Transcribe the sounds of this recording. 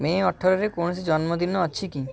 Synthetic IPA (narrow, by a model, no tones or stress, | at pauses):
meɔʈʰːoɾeɾekonosid͡ʑɔnmod̪inːoəːɕʰiki